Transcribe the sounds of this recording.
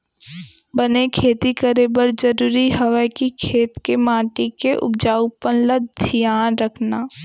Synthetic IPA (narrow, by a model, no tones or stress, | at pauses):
bənekʰeːt̪ikəɾebəɾd͡ʒəɾuːɾiɦɐʋəkikʰeːt̪kemãːʈikeʔʊ̰b̚d͡ʒaːupənləd̪ʱijaːnɾəkʰnaː